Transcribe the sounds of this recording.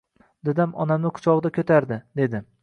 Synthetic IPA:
d̪ɪd̪amɒ̰namnɪqʰʊ̥t͡ʃʰɒʁd̪akʲʰɵt̪ʰaɾd̪ɪd̪e̞d̪ɪ

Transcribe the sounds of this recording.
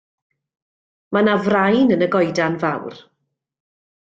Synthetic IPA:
manavrajnənəɡɔjdanvawr

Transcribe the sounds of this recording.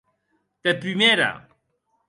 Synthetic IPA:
t̪epɾimeɾa̰

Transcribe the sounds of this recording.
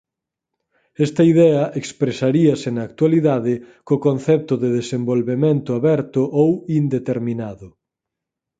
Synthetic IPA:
ɛst̪ɐiðɛɐʔekspɾesaɾiɐsɪnɐaːk̚t̪waliðaðɪkokonθɛp̚t̪ʊðeðesembolβemẽnt̪ʊaβɛɾt̪ʊʔowind̪et̪eɾmĩnaðʊ

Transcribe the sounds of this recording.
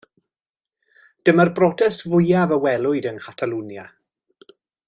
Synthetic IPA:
d̥əmərbrɔtʰɛstvʊjavəwɛlˠʊɨdənkatʰalˠunja

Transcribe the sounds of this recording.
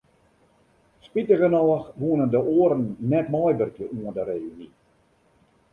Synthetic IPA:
spitəɣənɔxʋuənəndəʔoːəɾənːɛtmɔjbərkjəʔuəndəɾeːyni

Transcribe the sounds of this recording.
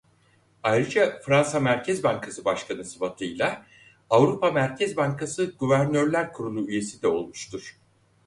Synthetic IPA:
ajɾɯd͡ʒafɾansamæɾcʰɛzbaŋkʰasɯbaʃkʰanɯsɯfat̪ʰɯjlˠa | avɾupʰamæɾcʰɛzbaŋkʰasɯɡuvæɾnøɾlʲæɾkʰuɾunˠuyje̞sid̪ɛo̞lˠmuʃt̪ʰuɾ̥

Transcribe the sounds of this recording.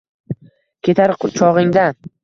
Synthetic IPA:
kʲe̞t̪ʰaɾt͡ʃʰɒʁɪŋd̪an

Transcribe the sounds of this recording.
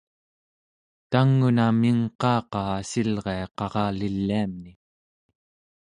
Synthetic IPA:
t̪aŋːunamiŋqɑːqɑːsilʁeɑqɑʁɑːlilːiamni

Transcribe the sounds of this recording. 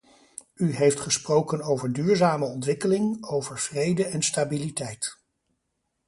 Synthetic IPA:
yɦejftχəsprowkənowvəɹdyːɹzaːməɔntʋɪkəlɪŋowvəɹv̥rejdəɛnstaːbilitɛjt

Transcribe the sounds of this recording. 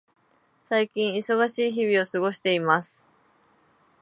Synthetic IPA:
saikʲĩɰ̃iso̞ɡaɕiːçibʲio̞sɨɡo̞ɕi̥t̪e̞imasɨ̥

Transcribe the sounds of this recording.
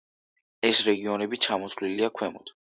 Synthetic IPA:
ɛsɾɛɡiɔnɛbit͡ʃʰamɔsʰliliakʰwɛmɔd̪̥

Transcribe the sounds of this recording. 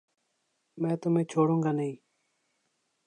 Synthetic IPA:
mɛ̃ːt̪ʊmẽːt͡ʃʰoːɽõːŋɡaːnəɦĩː

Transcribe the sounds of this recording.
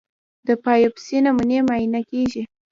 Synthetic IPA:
d̪əpɑjopɪ̥senamunemainakeʒi

